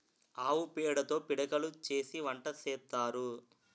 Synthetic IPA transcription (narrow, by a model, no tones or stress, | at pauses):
aːwupɛːɽɐt̪o̞ːpiɽɐkɐlut͡ʃe̞ːsiʋɐɳʈɐsɛːt̪ːaːɾu